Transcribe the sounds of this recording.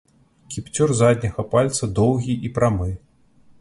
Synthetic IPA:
kʲipt͡sʲurzad̪ʲnʲɐɣɐpalʲt̪sɐd̪ɔwɣʲiʔipɾamɨ

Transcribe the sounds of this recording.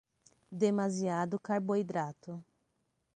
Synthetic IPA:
d̪emaziad̪ʊkaɾboid̪ɾat̪ʊ

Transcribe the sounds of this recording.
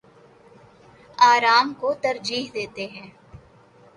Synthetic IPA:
aːɾaːmkot̪ɐɾd͡ʒiːɦd̪eːt̪eɦɛ̃ː

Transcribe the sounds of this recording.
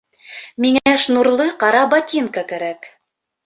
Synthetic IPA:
miŋæʃnuɾlˠɤqɑɾɑbɑt̪ʲinkɑkæɾæk

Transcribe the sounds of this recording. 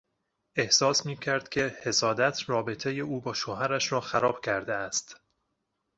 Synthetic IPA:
e̞hsɒːsmiːcʰæɾd̪̥̚cʲʰe̞he̞sɒːd̪æt̪ʰrɒːbe̞t̪ʰeje̞uːbɒːʃohæɾæʃɾɒːxæɾɒːb̥cʰæɾd̪eæst̪

